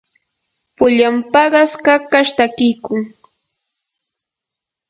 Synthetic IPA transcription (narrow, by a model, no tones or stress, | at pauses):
pʊʎampɑɢɑskakaʃt̪akɪjkʊŋ